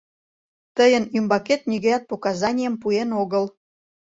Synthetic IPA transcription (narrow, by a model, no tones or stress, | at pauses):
t̪əjənymbɑket̪̚niɣəjɑt̪̚pokɑzɑnʲijəmpuenoɣəl